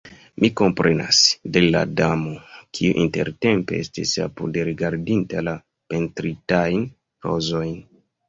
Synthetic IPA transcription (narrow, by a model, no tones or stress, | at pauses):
miko̞mpɾe̞na̰sde̞la̰damo̞kʰiuʔinte̞̰ɾte̞mpe̞estisapudeɾiɡaɾdintala | pe̞ntɾitajn | ɾo̞̰zo̞jn